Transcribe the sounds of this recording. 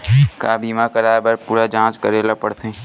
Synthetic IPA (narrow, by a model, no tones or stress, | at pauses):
kaːbiːmakəɾaːbəɾpuːɾad͡ʒãːt͡ʃkəɾeːlapəɽt̪ʰẽ